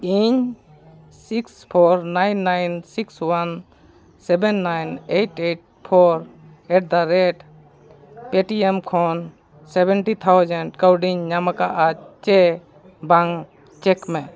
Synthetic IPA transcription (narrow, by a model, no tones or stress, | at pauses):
iɲ | sikspʰɔɾnajnːajnsikswan | sɛbɛnːajnejʈeʈ̚ | pʰɔɾ | ɛʈ̚d̪aɾɛʈ | peʈiɛmkʰɔn | sɛbɛnʈit̪ʰawd͡ʒɛɳʈkawɖiɲːamakaʔat͡ʃɛ | baŋ | t͡ʃɛkmɛ